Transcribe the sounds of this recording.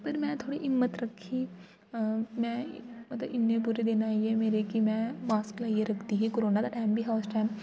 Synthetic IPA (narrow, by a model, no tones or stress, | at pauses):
pɐɾmɛ̃ːt̪ʰoːɽiʔɪmːət̪ɾɐkʰːiː | mɛ̃ːmɐt̪ləbɪnːẽbʊɾed̪enaːiɛmeːɾekimɛ̃ːmaːsklaːiəɾɐkʰt̪iɦĩkoɾoːnad̪aʈãːmbʱiɦaʊsʈɛːm